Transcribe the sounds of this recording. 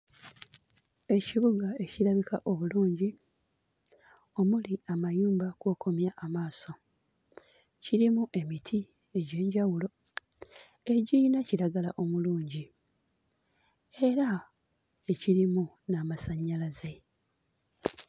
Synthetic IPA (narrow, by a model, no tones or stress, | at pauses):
e̞ciβuɡae̞ciɾaβikaʔo̞βuluːɲɟi | o̞muliamajuːmbakwoːko̞mjaʔːmaːso̞ | ciɾimuʔe̞mitʰi | e̞ɟe̞ːɲɟawulo̞ | e̞ɟiːnaciɾaɡalaʔo̞muluːɲɟi | e̞ɾa | eciɾimu | namasaɲːalaze̞